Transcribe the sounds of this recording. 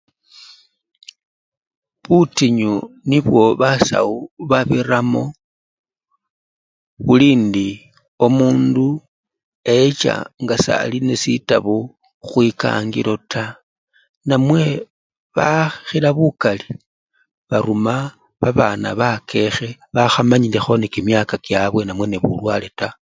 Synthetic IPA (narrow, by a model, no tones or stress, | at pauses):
βutiɲuniβwo̞βasa̰uβaβiramo̞ | βuliːndi | o̞muːndu | e̞t͡ʃa̰ŋɡasa̰line̞sitaβo | xwika̰ŋɡḭlo̞tʰa | namwe̞ | βaxilaβukali | βaɾuma | βaβana̰βakʰe̞xe̞βaxamaɲile̞xo̞nekimjakakjaβwe̞namwe̞neβulwale̞ta